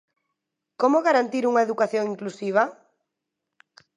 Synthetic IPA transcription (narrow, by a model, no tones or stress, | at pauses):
komoɣaɾant̪iɾuŋaeðukaθjoŋiŋklusiβ̞a